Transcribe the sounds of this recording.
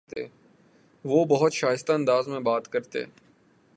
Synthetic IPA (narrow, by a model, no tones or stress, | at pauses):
t̪ḛ | ʋoːbɐɦʊt̪ʃaːjɪst̪aɐ̃nd̪aːzmẽbaːt̪kɐɾt̪ḛ